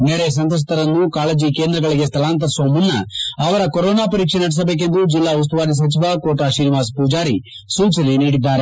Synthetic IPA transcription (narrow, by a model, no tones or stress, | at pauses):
neːɾesɐnt̪ɐs̬t̪ɐɾɐnːukaːleːd͡ʒike̞ːnd̪ɾɐɡɐɭiɡest̪ʰɐlaːnt̪̬ɐsoːmunːɐ̰ɐʋɐɾɐkɔɾoːnaːpɐɾiːkʂenɐɽis̬ɐbe̞ːk̬e̞nd̪ud͡ʒilːaːus̬t̪uʋaːd̪is̬ɐt͡ʃiʋakoːʈaːʃiːniʋaːspuːd͡ʒaːɾḭ | suːt͡ʃɐliniːɽid̪ːaːɾe